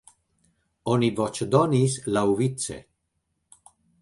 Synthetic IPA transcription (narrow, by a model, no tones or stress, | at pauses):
ɔnivɔt͡ʃed̪ɔniːslauvit̪t͡sːḛ